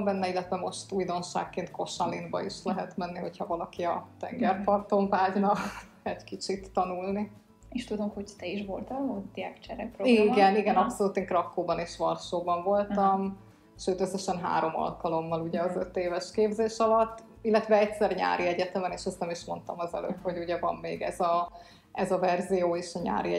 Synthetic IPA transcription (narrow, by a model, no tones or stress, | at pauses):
mbɛnːɛilːɛt̪vɛmo̞ʃt̪uːjd̪o̞nʃa̰ːkːeːnt̪ko̞ʃɒlinbɒ̰iʃlɛɦɛt̪mɛnːiɦo̞chɒvɒlɒkiɒt̪ɛ̰ŋɡɛrpɒrt̪o̞ɱvaːɟnɒk | ɛɟkit͡ʃit̪ːɒnulni | eʃt̪ud̪o̞mhoct̪ɛiʃvo̞lt̪ɒod̪iakt͡ʃɛɾɛk̚proimɡɛniɡɛnɒpso̞luːt̪eːŋkrɒkːoːbɒneːʃʋɒrʃoːbɒɱvo̞lt̪ɒm | ʃøːt̪øsːɛʃɛnɦa̰ːɾo̞mɒ̰lkɒlo̞mːɒluɟɛɒzø̞t̪eːvɛʃkeːbzeːʃɒlɒt̪ː | ilːɛt̪vɛɛcsɛrɲa̰ːɾiɛɟɛt̪ɛmɛneːʃɛsnɛmiʃmo̞̰nt̪ɒmɒzɛ̰lø̰ːp̪ho̞ɟuɟɛvɒ̰mːeːɡɛ̰zɒ | ɛzɒvɛrzijoːeːʃɒɲa̰ːɾiɛ